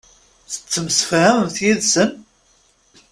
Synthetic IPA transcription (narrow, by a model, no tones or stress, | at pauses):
θə̥t͡sːəməsfɾæəmθjiðsən